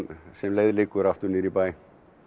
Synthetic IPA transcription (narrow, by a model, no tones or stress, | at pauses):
nsɛmleːðlɪːkːʏɾaft̪ʏnɪːɾipaːj